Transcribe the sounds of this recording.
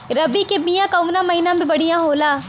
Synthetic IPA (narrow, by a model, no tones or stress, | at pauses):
ɾəbiːkɪbijãːkəʋnãːməɦiːnãːbĩbəɽijãːɦoːlaː